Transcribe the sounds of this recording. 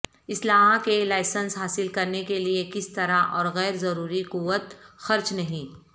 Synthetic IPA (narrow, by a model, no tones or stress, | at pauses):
ɪslaːɦãkelaːɪsə̃nsɦaːsɪlkɐɾnekeliekɪst̪ɐɾaʔɔːɾɣɛːɾzɐɾuːɾiquʋːət̪xɐɾt͡ʃnɐɦĩː